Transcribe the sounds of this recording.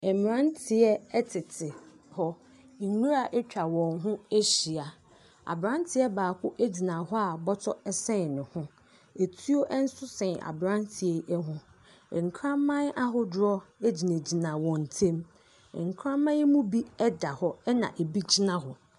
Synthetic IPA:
ɛ˨m˨ɾã˦n˦tʰɪ˨ɛ˦ɛ˦tʰɪ˨tʰɪ˨ | hɔ˦˨ | nũ˦ɾa˨ʔɛ˦t͡ɕᶣa˨wɔ̃˨ŋɦʊ̃˦e˦ɕi˨a˨ | a̰˨bɾã˦n˦tʰɪ˨˦ɛ˦baː˨kʰʊ˦ʔe˦d͡ʑi˨nã˨ɦɔ˦a˨bɔ˦tʰɔ˦ɛ˦sɛ̃˦˨nɪ̃˨hʊ̃˦ | e˨tʰu˦o˦ʔɛ˦n̩˦sʊ˦sɛ̃˨na̰˨bɾã˦ntʰɪ˨ɛ˦ɛ˦ɦʊ̃˦˨ | ŋ̩˨kʰɾã˦mmːã˦n˦a˦ɦʊ˦dɾɔ˦e˦d͡ʑi˨næ˨d͡ʑi˨nã˨wɔ̃˨n̩˨tʰẽ˦m˨ | ŋ̩˨kʰɾã˦mːã˦ɛ˦mũ˦bi˦ɛ˦da˨hɔ˦ɛ˦nã̰˨ʔe˨bi˦d͡ʑi˦nã˦ɦɔ˨

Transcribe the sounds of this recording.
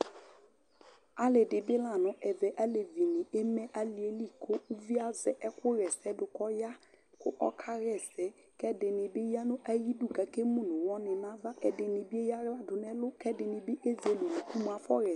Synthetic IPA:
a˦lɪ˨dɪ˨bɪ˦la˨nɔ̃˨˦ʔɛ˨vɛ˨ʔa˦le˨vi˨nɪ̃˨e˦mɛ˦ʔa˦li˨e˦li˦˨kʰʊ˦u˦vi˦a˦zɛ˨ʔɛ˦kʊ˦ɾɛ˨sɛ˦dʊ˨kɔ˦ja˦ | kʊ̰˦ʔɔ̰˦kʰa˦ɾɛ˦˨sɛ˨˦ | kɛ˦dɪ˨nɪ˨bɪ˦ja˦nʊ̃˦ʔa˦ji˦du˦˨ɡa˨ke˦mũ˦˨nʊ̃˨wɔ˦nɪ̃˨nã˦va˦ʔɛ˨dɪ˨nɪ˨bɪ˦e˦ja˦ɣla˦dʊ˨nɛ˦lʊ˦kɛ˦dɪ˨nɪ˨bɪ˦ʔe˦ze˦lu˨nu˨ku˦m˨a˦fɔ˦ɾɛ˨˦

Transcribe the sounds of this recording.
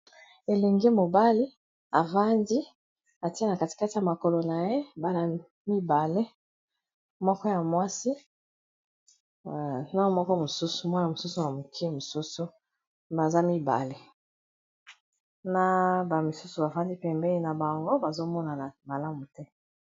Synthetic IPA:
e˨le˨ŋɡe˦mo˨ba˦li˦ | a˨va˦ndi˦ | a˨ti˦e˦na˨ka˨ti̥˨ka˦ti˦a˨ma˨ko˨lo˨na˨je˦ba˨la˨ | mi˦ba˨le˦ | mɔ˦kɔ˦ja˨mwa˦si˦˨ | na˦˨mɔ˦kɔ˦mo˨su˦su˨mwa˦na˨mo˨su˦su˨na˨mo˨kʰi˦mo˨su˦su˦ | ba˨za˦mi˦ba̰˨le˦ | na˦ba˨mi˨su˦su˨ba˨va˦ndi˦pɛ˨mbɛ˦i˦na˨ba˨ŋɡo˦ba˨zo˦mɔ˦na˨na˨ma˨la˦mu˨tɛ˦

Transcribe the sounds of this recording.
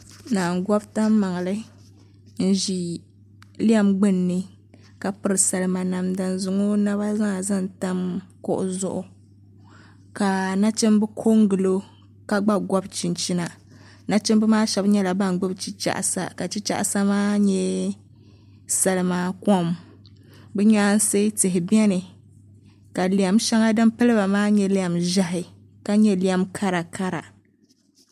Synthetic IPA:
naː˨ŋ˨ɡɔ˦bta˦mmːa˨ŋ˨lɨ˦ | n̩˦ʒi˨ | li˦a˦˨mɡ͡bɨ˦nːɨ˦ | ka˨pɨ˦ɾɨ˨sa˨lɨ˦ma˨na˨mda˨nzʊ˨ŋo˦na˦ba˦za˦ŋ˨za˦n˨ta˦mkʊ̰˦ʔʊ̰˨zʊ˦ʔʊ˨ | ka˨na˦t͡ʃɨ˦mbɨ˦kʰo˦ŋ˦ɡɨ˨lo˦ | ka˨ɡ͡ba˦ɡʷɔ˦bt͡ʃi˨nt͡ʃi˦na˨ | na˦t͡ʃɪ˦mbɨ˦maː˦ʃɛ˨bɲɛ˦la˨ba˦ŋ˨ɡ͡bɨ˦bt͡ʃi˦t͡ʃa̰˨ʔsa̰˨ka˨t͡ʃi˦t͡ʃa̰˦ʔsa˦maː˦ɲɛ˦ | sa˨lɨ˨maː˦kɔ˦m | bɛ˦ɲaː˦n˦se˦tɨ˨ɦɪ˨bɛ˦nɨ˨ | ka˨li˨a˨mʃa˦ŋa˦dɨ˦mpɨ˦lɨ˦ba˨maː˦ɲɛ˦li˦a˦˨mʒa˦ɦɪ˨ | ka˦ɲɛ˦li˦a˦mkʰa˦ɾa˨kʰa˦ɾa̰˨

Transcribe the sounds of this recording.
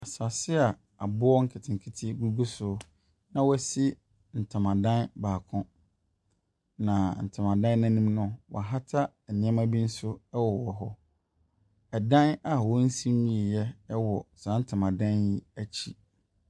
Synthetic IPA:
a˨sa˨sɪ˦a˨ | a˨bʊ˦ɔ˦ŋ̩˦kʰɪ˨tʰɪ̃˨ŋ˨kʰi˦tʰɪ˦ɡu˦ɡu˦sʊ˦ | nã˦wɔ˦˨si˦ | n̩˨tʰa˨mã˨dã˦nbaː˨kʰʊ̃˦ | nã˨n̩˨tʰɪ̃˨mã˨dã˦n˦nã˦nĩ˦mnʊ̃˦wɔ̰˨a˨ɦa˦tʰa˦ | ɛ˨nɪ̃˨˦ɛ˦mã˦bi˦n̩˦sʊ˦ɛ˦wɔ˨wɔ˨ɦɔ˦ | ɛ˨dã˦na˨wɔ˦n̩˦sĩ˦ɲĩ˦e˨jɛ˦wɔ˨sã˦n̩˦tʰɪ˨mã˨dã˦nji˦æ˦t͡ɕʰi˦

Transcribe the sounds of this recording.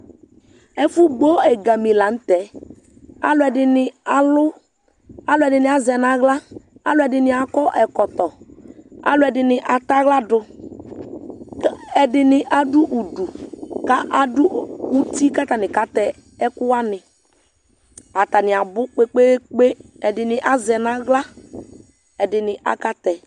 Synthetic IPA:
ɛ˦fu˦ɡ͡bo˦ɛ˨ɡa˨mi˨la˨˦n̩˦tɛ˨˦ | a̰˨lʊ˦ɛ˨dɪ˨nɪ˨a˨lʊ˦ | a˨˦lʊ˦ɛ˨dɪ˨nɪ˨a˨zɛ˨na˨ɣla˦a̰˨lʊ˦ɛ˨dɪ˨nɪ˨a˨kɔ˦ʔɛ˨kɔ˨t̪ɔ˨ | a̰˨lʊ˦ɛ˨dɪ˨nɪ˨ʔa˨ta˦ɣla˦dʊ˨˦ | ɛ˨dɪ˨nɪ˨ʔa˨dʊ˦ʔu˨du˨ka˦ʔa˨dʊ˦u˨ti˦ka˦ta˨nɪ˨ka˦tɛ˨ | ɛ˦kʊ˦a˦nɪ˨ | a˨ta˨nɪ˨a˨bʊ˦k͡pe˦k͡pe˦k͡pe˦ | ɛ˨dɪ˨nɪ˨ʔa˨zɛ˨na˦ɣla˦ | ɛ˨dɪ˨nɪ˨ʔa̰˨ka˦tɛ˨

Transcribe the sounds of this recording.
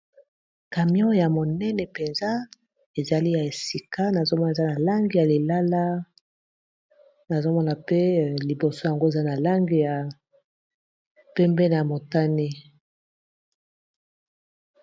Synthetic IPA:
ka˨mjɔ̃˦ja˨mo˨nɛ˦nɛ˨pe˨nza˦ | e˨za˨li˦ja˨e˨si˨ka˦na˨zo˦mɔ˦n˨e˨za˦na˨la˦ŋɡi˨ja˨li˨la˦la˦ | na˨zo˦mɔ˦na˨pe˦˨li˨bo˨so˦ja˨ŋɡo˦e˨za˦na˨la˦ŋɡi˨ja˨ | pɛ˦mbɛ˦ne˨ja˨mo˨ta˦ni˦

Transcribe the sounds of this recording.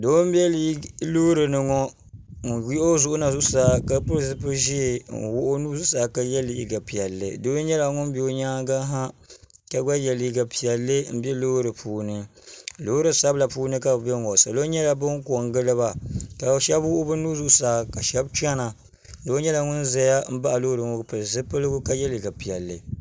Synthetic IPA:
doː˨˦m˦bɛ˦li˦loː˦ɾɨ˨nɨ˨ŋɔ˦˨ | wʊ˦ʔo˦zʊ˨ʔʊ˦na˨zʊ˦saː˨˦ka˦pʊ˦ɾsɨ˦pɨ˦ʒi˦˨wʊ˦ʔo˦nuː˦zu˦saː˨˦˨ka˦jɛ˦li˨i˨ɡa˨pi˨ɛ˨lːɨ̰˨doː˦ɲɛ˦la˨ŋʊ˦n˦bi˦o˦ɲaː˦ɡa˦ɦa˦ | ka˦ɡ͡ba˦jɛ˨li˨ɡa˨pi˨ɛ˨lːɨ˦m̩˨bɛ˦loː˦ɾɨ˨pʰuː˨nɨ˦ | lo˦ɾɨ˨sa˦bla˨puː˦nɨ˦ka˦bbɛ˦ŋ˨wɔ˨sa˨lo˦ɲɛ˦la˨bɨ˦ŋko˨ŋɡɨ˦lɨ˦ba˨ka˨ʃɛ˦bwʊ˦ʔʊ˦bɨ˦nuː˦zu˦ʔsaː˨˦˨ka˨ʃɛ˦bt͡ʃi˦a˦na˨ | do˦ɲɛ˦la˨ŋʊ˦nza˨ja˦m̩˦ba˦ʔa˨lo˦ɾɨ˨ŋo˦˨pɨ˨ɾzɨ˦pɨ˦lɨ˦ɡʊ˦ka˦jɛ˦li˨ɡa˨pi˨jɛ˨lːɨ̰˨

